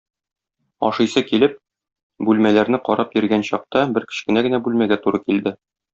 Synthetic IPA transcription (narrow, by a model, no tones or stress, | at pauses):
ɒ̰ʃɤ̆jsɤkilɘp̚ | bʉlmælæɾnɘqɒɾʔɑp̚jĭɾɡænɕɒq̚t̪ɑbɘɾkɘ̥̆ɕkɘ̆næɡɘ̆næbʉlmæɡæt̪uɾɤkild̪ɘ